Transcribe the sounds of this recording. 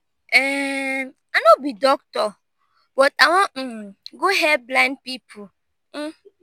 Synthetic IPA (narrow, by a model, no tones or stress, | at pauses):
ɛ | anobidɔk̚tɔ | bɔtawɔ̃ɡoɦɛblãɪ̃nd̚pipʰʊ